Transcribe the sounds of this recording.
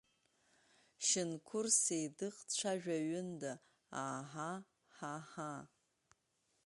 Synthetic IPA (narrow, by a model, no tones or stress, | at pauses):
ʃɪnkʷʰʊrsejdɨqʼt͡ʃʷʰaʒᶣaɥɪnda | aħa | ħaħa